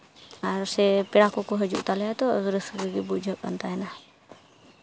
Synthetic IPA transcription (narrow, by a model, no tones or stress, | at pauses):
aɾsɛpɛɽakɔkɔɦəd͡ʒṵʔt̪alɛjat̪ɔɡɾəsɡəɡibud͡ʒəpa̰nt̪aɦɛna